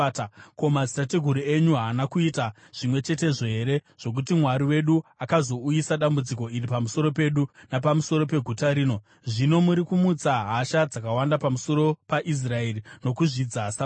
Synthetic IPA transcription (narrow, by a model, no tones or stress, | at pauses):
ko̞mazi̥tateɡʱuɾie̞ɲuɦaːnakuita | ʐ̥imwe̞t͡ʃe̞te̞ʐe̞ɦeɾe̞ʐ̥o̞k̬utimwaɾiwe̞ɗuakazo̞ujisaɗambud͡ziko̞iripamuso̞ɾo̞pe̞ɗunapamuso̞ɾo̞p̬e̞ɡʱutaɾiːno̞ | ʐino̞muɾikumut͡saɦaʃad͡zakawandapamuso̞ɾo̞paʔis̬raerino̞kuʐid͡zasa